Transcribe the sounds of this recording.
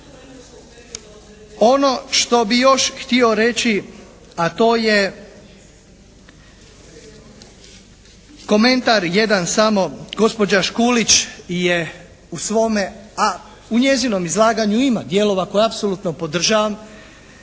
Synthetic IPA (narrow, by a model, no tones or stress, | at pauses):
o̞no̞ʃt̪o̞bijo̞ʃxt̪io̞ɾe̞t͡ɕi | at̪o̞ːje̞ | ko̞mẽ̞nt̪aɾje̞d̪ansamo̞ɡo̞spo̞d͡ʑaʃkuːlit͡ʃje̞ | usʋo̞mea | uɲe̞zino̞mizlˠaːɡaɲuimad̪je̞lo̞ʋako̞jeapsolut̪nopo̞d̪r̩ʒaʋam